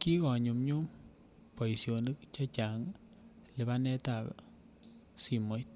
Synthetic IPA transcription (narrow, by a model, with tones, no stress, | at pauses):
ki˦kɔ˨ɲu˨mɲu˦m | pɔ˨i˨sjo˨ni˦k̚t͡ʃa˦t͡ʃa˨ŋ | lɪ˨ba˦nɛ˦ta˨p | si˨mo˨˦t̚